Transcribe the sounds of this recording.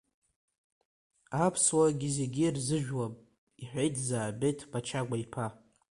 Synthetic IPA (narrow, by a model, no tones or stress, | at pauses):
apʰswaɡʲizeɡʲirzɨʒᶣwapʼ | iħʷᶣejtʰʼzaːbe̞jtʰpʰat͡ʃʰaɡʷaipʰa